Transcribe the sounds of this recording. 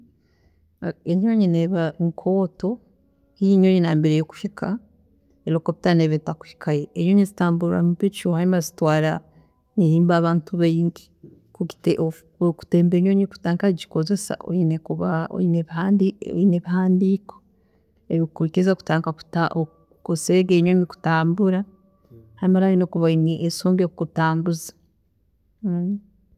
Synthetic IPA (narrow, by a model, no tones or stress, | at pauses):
eɲoɲineβaŋkʰoːto̞ | iɲojinaːmbeɾejoku̥hikʰa | eɾokoβitaneβetaku̥hi̥kʰajeːɲoɲizitaːmbuɾɾa̰muβit͡ʃiohaimazitwaːɾa | nihiːmbaβaːntuβeɲɡi | kuɡi̥teʔo | ku̥teːmbeɲoɲiku̥taːŋkad͡ʒi̥kozesa̰o̰inekuβao̰ineandio̰ineβihaːndiko̥ | eβikuɾikezaku̥taːŋkaku̥taʔo | koseɡeɲoɲiku̥taːmbuɾa | haɾimaɾainekuβainiʔesoːmbekkutaːmbuzḁ